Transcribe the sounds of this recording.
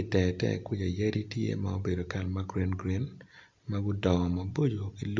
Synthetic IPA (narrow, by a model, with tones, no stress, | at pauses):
itɛ˨tɛ̰˦kwɪ˦d͡ʒa˨je˦ɾi˦tjḛ˦mao˦be˨do˨ka˨lma˦ɡɾi˦nɡɾi˦n | ma˦ɡʊ˦dɔ˨ma˨bo˦d͡ʒo˨ki˦l